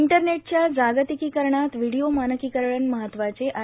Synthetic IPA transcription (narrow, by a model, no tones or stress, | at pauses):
ɳʈəɾneʈ̚t͡ɕjad͡zaɡət̪ikiːkəɾɳat̪ʋiɽiomanəkiːkəɾɭənməɦət̪ːʋat͡seʔa